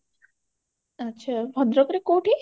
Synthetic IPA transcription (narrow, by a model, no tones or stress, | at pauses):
ɐtːɕʰabʱɔd̪ɾɔkɾekoːʈʰi